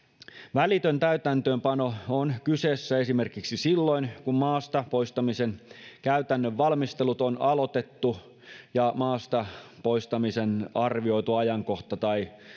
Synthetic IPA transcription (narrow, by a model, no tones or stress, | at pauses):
ʋælit̪ønt̪æyt̪ænt̪øːmpɑnoonkyseːsːæe̞sime̞rkiksisilːo̞inkummɑːst̪ɑpo̞ist̪ɑmisenkæyt̪ænːøʋːɑlmist̪e̞lut̪onɑlo̞t̪e̞t̪ːu | jɑmɑːst̪ɑpo̞ist̪ɑmisenɑrʋio̞it̪uɑjɑŋko̞xt̪ɑt̪ɑi